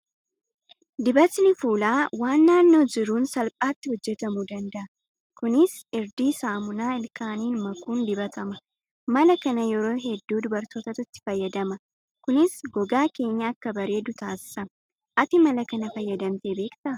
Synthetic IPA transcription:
d̪ɪbɐt̪nɪfuːlaːwaːnːaːnːo̞ːd͡ʒɪɾuːnsɐlpʼaːt̪ːɪhɔd͡ʒːɛt̪ɐmuːd̪ɐnd̪ɐʔɐ | kʊnɪsɪɾd̪iːsaːmʊnaːɪlkaːniːnmɐkuːnd̪ɪbɐt̪ʰɐmɐ | mɐlɐkɐnɐjɛɾo̞ːɦɛd̪ːuːd̪ʊbɐɾt̪oːt̪ɐt̪ʊt̪ːɪ̥fɐjːɐd̪ɐmɐ | kʊnɪsɡɔɡaːke̞ːɲːaɐkːɐbɐɾe̞ːd̪ʊt̪aːsɪ̥sɐm | ʔɐt̪ɪmɐlɐkɐnɐfɐjːɐd̪ɐmt̪e̞ːbeːkt̪ɐ

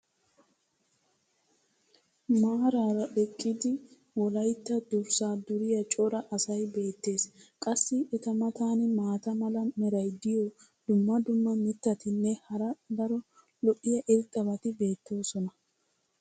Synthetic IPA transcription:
maːɾaːɾɐɗɛkʼːɪd̪ɪ | wɔlɐjt̪ːɐd̪ʊɾsaːd̪ʊɾɪjɐt͡ʃʼɔɾɐʔɐsɐjbe̞ːt̪ːe̞ːskʼɐsːɪʔɛt̪ɐmɐt̪aːnɪmaːt̪ɐmɐlɐmɛɾɐjd̪ɪjɔ | d̪̥ʊmːɐd̪ʊmːɐmɪt̪ːɐt̪ɪnːɛhɐɾɐd̪ɐɾɔ | lɔʔɪjɐʔɪɾt̪ʼːɐbɐt̪ɪbe̞ːt̪ːo̞ːsɔnɐ

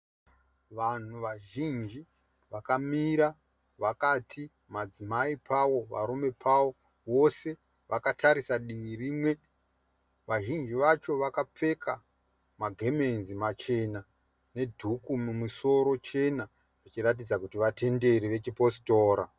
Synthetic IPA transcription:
ʋan̤uʋaʒind͡ʒi | ʋakamiɾa | ʋakatʰi | mad͡zimaipʰawo̞ʋa̰ɾume̞pʰawo̞ | wo̞se̞ | ʋakatʰaɾisaɗiʋiriːmwe̞ | ʋaʒind͡ʒiʋat͡ʃo̞ʋakap͡fe̞kʰa | maɡʱe̞menzimat͡ʃe̞na | ne̞dʱukumumuso̞ɾo̞t͡ʃe̞na | ʐit͡ʃiɾat̬id͡zakutiʋatʰe̞nde̞ɾiʋe̞t͡ʃipositoːɾa

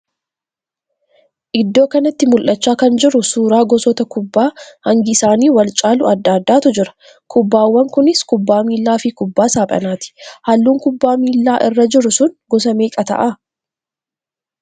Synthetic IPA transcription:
ʔɪd̪ːo̞ːkɐnɐt̪ːɪmʊlʔɐt͡ʃːaːkɐnd͡ʒɪɾʊsuːɾaːɡɔsɔt̪ɐkʊbːaːhɐŋɡɪsaːniːwɐlt͡ʃʼaːlʊɐd̪ːaːd̪ːaːt̪ʊd͡ʒɪɾɐ̥ | kʰʊbːaːwːɐŋkʊnɪskʊbːaːmiːlːaːfɪkʊbːaːsaːpʼɐ̰naːt̪ɪ̥hɐlːuːŋkʊbːaːmiːlːaːʔɪrːɐd͡ʒɪɾʊsʊnɡɔs̬ɐmeːkʼɐt̪ɐ̰ʔa

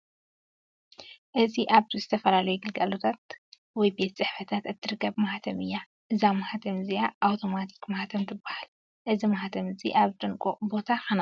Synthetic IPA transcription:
ʔɨziʔaβt̪ʰizɨt̪ʰɐfɐlalɐjuɡɨlɡalot̪ʰat̪ | wɔjbe̞t̪t͡sʼɨħfɐt̪ʰat̪ɨt̪ʰːɨɾɨkːɐβmaħat̪ʰɐmɨjːa | ʔɨzamaħat̪ʰɐmzijaʔawt̪ʰo̞mat̪ʰi̥kmahat̪ʰɐmzʰɨbahal | ʔɨzimahat̪ʰɐmɨzḭʔaβt̪ʼɨŋkʼobo̞t̪ʰaxɐna

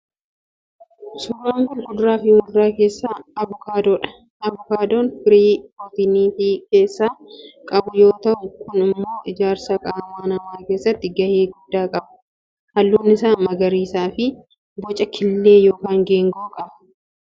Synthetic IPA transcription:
sʊrːaːŋkʊnɡʊdʊɾaːfɪhʊnd̪ʊɾaːke̞ːsːaːɐbʊkaːd̪oːᶑɐ̥ | ɐbʊkaːd̪oːnfɪɾiːfot̪ɪniːfike̞ːsːaːkʼɐbʊjo̞ːt̪ɐʔʊkʊnɪmmːo̞ːʔɪd͡ʒaːɾsɐkʼaːmaːnɐmaːkeːsːɐt̪ːɪɡɐheːɡʊd̪̥ːaːkʼɐbɐ̥ | hɐlːuːnːɪsaːnmɐɡɐɾiːsaːfɪ | bɔt͡ʃʼɐkʰɪlːe̞ːjo̞ːkaːŋɡeːŋɡɐʔʊkʼɐbɐ̥

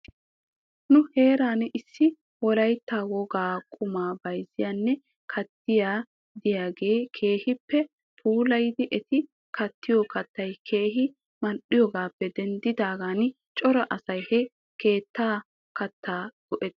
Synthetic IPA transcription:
nʊhe̞ːɾaːnʔɪsːɪ | wɔlɐjt̪ːaːwɔɡaːkʼʊmaːbɐjzɪjaːnːɛ | kʰɐt̪ːɪjaː | d̪ɪjaːɡe̞ːkʰe̞ːhɪpːɛ | pʰuːlɐjd̪ɪʔɛt̪ɪ | kʰɐt̪ːɪjɔkɐt̪ːɐjkʰe̞ːɦɪ | mɐnɗɪjɔɡaːpːɛd̪ɛnd̪ɪd̪aːɡaːn | t͡ʃʼɔɾɐʔɐsɐjhɛ | ke̞ːt̪ːaː | kɐt̪ːaːɡ̥ɔʔɛ

